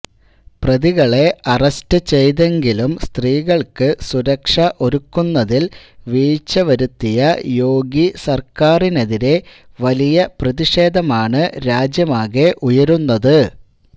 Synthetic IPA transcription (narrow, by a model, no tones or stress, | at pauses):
prɐðiɣɐɭe̞ʔɐrɐstɨt͡ɕe̞jðe̞ŋɡilumst̪riːɣɐɭkɨsuɾɐkʂɐʔo̞ɾukːunːɐðil | ʋiːt͡ɕːɐʋɐɾut̪ːijɐjo̞ːɡisɐrkaːrine̞ðiɾe̞ | ʋɐlijɐprɐðiʂe̞ːd̪ʱɐmaːɳɨɾaːd͡ʑjɐmaːɣe̞ʔujɐɾunːɐðɨ